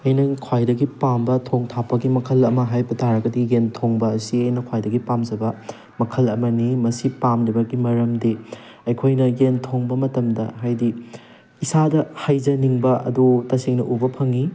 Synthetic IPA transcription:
ɐjnɐkʰwajdɐɡipambɐtʰoŋtʰapːɐɡimɐkʰɐlɐmɐɦajpɐtʰaɾɐɡɐdiɡentʰoŋbɐːsiɐjnɐkʰwajdɐɡipamd͡ʒɐbɐ | mɐkʰɐlɐmɐnimɐsipamɾibɐɡimɐɾɐmdi | ɐjkʰojnɐjentʰoŋbɐmɐtɐmdɐɦajdi | isadɐhɐjzɐniŋbɐʔɐ̰dutɐsiŋnɐʔubɐpʰɐŋi

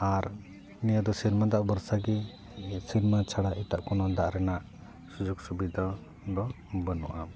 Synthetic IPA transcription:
aɾ | nijəd̪ɔsiɾmad̪aʔbəɾsaɡɛ | siɾmat͡ʃʰaɽaʔit̪aʔkɔnɔd̪aʔɾɛnaʔ | sud͡ʒuɡsubid̪ʱa | d̪ɔ | bənuʔam

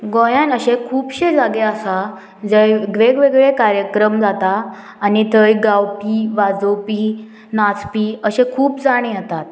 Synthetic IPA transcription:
ɡojãnəɕekʰuːpɕed͡zaɡeəsa | d͡zəjɡʋeɡʋeɡɭekaɾjəkɾəmd͡zat̪aː | nit̪əjɡawpiʋad͡zəwpi | nat͡spiːəɕekʰuːpd͡zaɽ̃ẽjat̪at̪̚

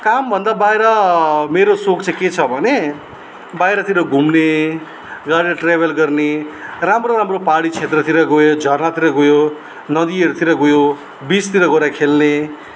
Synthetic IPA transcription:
kambʱʌnd̪abajɾʌmeɾosokt͡sãket͡sʰʌbʱʌne | bajɾʌt̪iɾʌɡʱumne | ɡaɽiɾʌʈrebʱʌlɡʌrneramroɾamropaɽit͡sʰet̪rʌt̪ʰiɾʌɡojod͡zʱʌrnat̪iɾʌɡojo | nʌd̪ieɾut̪iɾʌɡojo | bist̪iɾʌɡoɾakʰelne

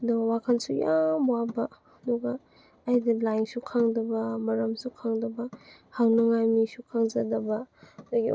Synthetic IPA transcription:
dowakʰansujambwabɐ | dɔɡɐː | jdɐlajŋsukʰaŋdɐbɐmɐɾɐmsukʰaŋdɐbɐhaŋnɐŋajmisukʰaŋzɐdɐbɐdaɡi

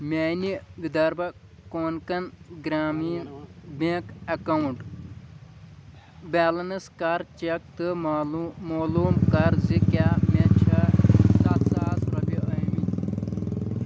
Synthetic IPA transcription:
mʲeːniʋid̪ɐɾbɐ | koːnkɐnɡɾaːmiːnbekɐkɐwuɳʈ | baːlɐnɨskaɾt͡ʃek̚t̪ɨ | moːluːmkɐɾzikaːmet͡ʃʰɐsat̪saːt̪ɾɐbʲiʔɐjmin

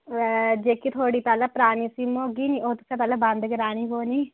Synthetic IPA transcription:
d͡ʒeːkit̪ʰoːɽiːpɛːlepɾaːniːsiːmoːɡiːniːʔoːt̪ʊ̥sãpɛːleːbə̃nd̪ɡəɾaːniːɦoːniː

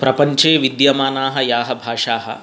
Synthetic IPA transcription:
pɾɐpɐɲt͡ʃeːʋid̪jɐmaːnaːɦɐjaːɦɐbʱaːʂaːɦɐ̰

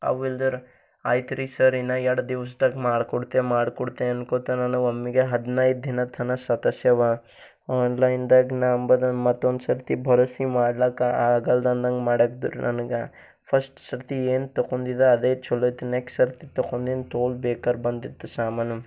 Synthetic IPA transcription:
ɐ̰ʋild̪ɐɾ | aːjt̪ɾisɐɾinɐɛɽɐd̪iʋɐs̬d̪ɐɡmaːɽkɔɽt̪emaːɽkɔɽt̪eɐnkoːt̪ɐnɐnuomːiɡeɦɐd̪nɐjd̪̚d̪ʱinɐt̪ʰɐnɐsɐt̪ɐsjɐʋɐ | ɔːnlɐjnd̪ɐɡnaɐmbɐd̪ɐmɐt̪ːond̪sɐɾt̪ibʱɐɾoːsimaːɖlaːkaaːɡɐld̪ɐnd̪ɐŋɡmaːɽɐkd̪ṵɾnʔɐ̰nɡe | pʰɐsʈsɐɾt̪ieːnt̪ɐkond̪id̪eɐd̪eːt͡ʃulɐjt̪unekssɐɾt̪it̪ɐkond̪int̪oːlbeːkɐɾbɐnd̪it̪ːusaːmanɐm

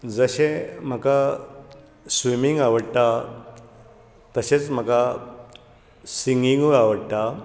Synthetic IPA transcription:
d͡zəɕẽm̤əka | sʋimiŋɡaʋəɽt̪a | t̪əɕet͡sm̤əka | siŋɡiŋɡuaʋəɽt̪a

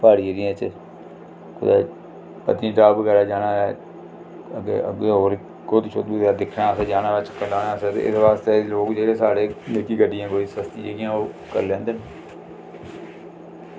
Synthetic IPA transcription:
paːɽiːəɾiẽːt͡ʃ | kʊ̰d̪aː | pə̰t̪niːʈaːbəɡɛːɾaːd͡ʒaːnaːɛː | əɡḛə̰ɡeːɦoːɾ | koːt̪ɪʃʰoːt̪̚bud̪aːd̪ɪkʰnaːsɛːd͡ʒaːnaːʋɪt͡ʃəkːəlaːnaːsɛːt̪ḛːʔɪ̰sʋaːst̪eːloːɡd͡ʒeːɾeːsaːɽeːneːkiːɡəɖːijãːkoːiːsəst̪iːd͡ʒeːɡijãːoː | kə̰ɾlɛ̃ːnd̪eːn

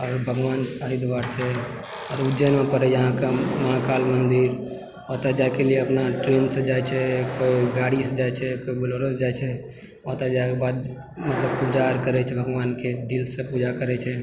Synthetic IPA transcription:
ɔːɾbʱəɡʋaːnaɾid̪ʋaɾt͡ʃʰɛ | ɔːɾud͡ʒənmẽpəɾɛd͡ʒəɦãkeməãkalmənd̪iɾ | ɔt̪ad͡ʒajkelieəpnaʈɾensə̃d͡ʒajt͡ʃʰɛkoiɡaɽisd͡ʒajt͡ʃʰɛkoibəloɾəsd͡ʒat͡ʃʰɛ | ɔt̪ad͡ʒajkebad̪ | mət̪ləb̚pud͡ʒaɾkəɾɛt͡ʃʰɛbʱəɡʋaːnked̪ilsə̃pud͡ʒakəɾɛt͡ʃʰɛ

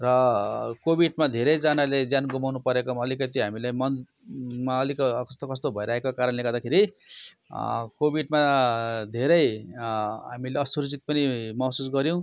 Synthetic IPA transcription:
rʌkobiɖmad̪ʱeɾʌjd͡zanaled͡zjanɡumawnupʌɾekoʌlikʌt̪iɦamilejmʌnd̪ | maʌlikkʌst̪okʌst̪obʱʌjɾaɦekokaɾʌnleɡad̪akʰeɾi | kobiɖmad̪ʱeɾʌj | ɦamileʌsuɾud͡zit̪̚pʌnimʌsusɡʌɾjõw̃

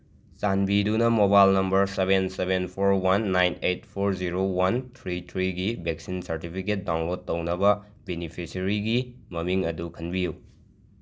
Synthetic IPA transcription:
t͡ʃanbidunɐmobajlnɐmbɐɾsebensebenpʰoɾwɐnːajnejt̚pʰoɾziɾowɐntʰɾitʰɾiɡibek̚sinsɐɾtipʰiket̚dawnlod̚tːɐwnɐbɐ | benipʰisɐɾiɡimɐmiŋɐdukʰɐnbiju

